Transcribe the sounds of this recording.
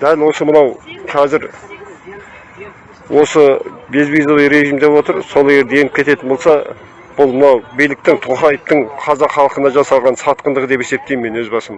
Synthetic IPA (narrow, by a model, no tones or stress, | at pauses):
d̪̥ælwo̞səmənɑwqʰɑzɪɾ | wʔo̞səbezbijzovijɾe̞ʒimd̪epwo̞t̪əɾso̞lˠe̞ɡʲeɾd̪e̞jenɪp̚kʲʰe̞t̪e̞t̪ɪnbolˠsɑ | b̥ʊlˠmənɑwbijlɪk̚t̪ɪŋt̪ʰoχɑjəp̚t̪əɴqʰɑzɑqχɑlˠəqənɑʒɑsɑlˠʁɑnsɑt̪̚qənd̪əʁəd̪e̞pe̞se̞p̚t̪e̞jmːe̞nwɵzbɑsəm